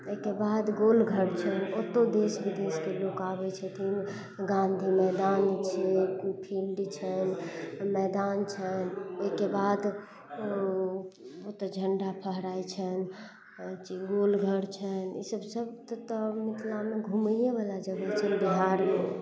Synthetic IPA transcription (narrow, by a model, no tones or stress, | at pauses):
oikebad̪ɡolɡʱəɽt͡ʃʰənot̪od̪esbid̪eskelokabɛt͡ʃʰɛt̪ʰin | ɡãnd̪ʱimɛd̪ant͡ʃʰɛpʰilɖt͡ʃʰənmɛd̪ant͡ʃʰənoikebad̪ | ot̪əd͡ʒʱəɳɖapʰəɦɾajt͡ʃʰən | t͡ʃiɡolɡʱəɾt͡ʃʰənisəbsəbt̪t̪əmit̪ʰlameɡʱuməjebəlad͡ʒəɡɛt͡ʃʰənbiɦaɾme